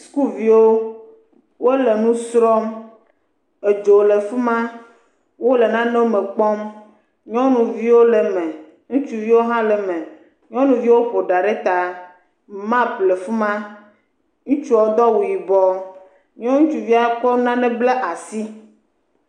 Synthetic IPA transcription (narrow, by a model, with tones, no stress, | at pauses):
sku˦vi˨wo˦ | wo˦le˨nũ˦sɾɔ˦m | e˨d͡ʒo˨le˨fu˦mã˦ | wo˦le˨nã˦nɛ˦o˦mɛ̃˨k͡pɔ˦m | ɲɔ̃˦nũ˨vi˦wo˦le˨mɛ̃˨ | ŋũ˦t͡ʃu˨vi˦wo˦ɦã˦lɛ˨mɛ̃˨ | ɲɔ̃˦nũ˨vi˦wo˦ɸo˨ɖa˨ɖe˦t̪a˨ | mã˦ple˨fu˦mã˦ | ŋũ˦t͡ʃu˦ɔ˨o˦d̪ɔ˦wu˨ji˨bɔ˦ | ɲɔ̃˦ŋũ˦t͡ʃu˨vi˦a˨kɔ˦nã˦nɛ̃˦ble˦ʔa˨si˦